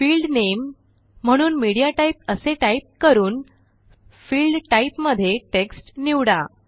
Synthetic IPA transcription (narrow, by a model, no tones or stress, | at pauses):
fiːlɖnem̤ː | əɽ̃uːnmiɽijaʈaip̚əseʈaip̚kəɾuːn | fiːlɖʈaipməd̪ʱːjeʈeksʈniʋɽa